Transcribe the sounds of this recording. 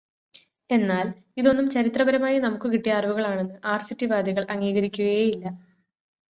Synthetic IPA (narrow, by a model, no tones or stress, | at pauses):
e̞nːaːl | iðo̞nːumt͡ɕɐɾit̪rɐbɐɾɐmaːjinɐmukːɨkiʈːijɐaːrʋuɣɐɭaːɳe̞nːɨʔaːrsitːiʋaːd̪ʱiɣɐɭʔɐŋːiːɣɐɾikʲːuɣɐjejilːɐ